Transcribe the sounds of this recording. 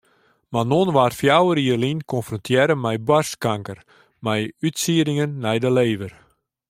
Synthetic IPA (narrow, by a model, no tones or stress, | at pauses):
manonʋaːrfjawəɾiərlinkʰɔnfrɔntʰjɛɾəmɛjbarskaŋkər | mɛjytsiəɾɪŋənːɛjdəleːʋər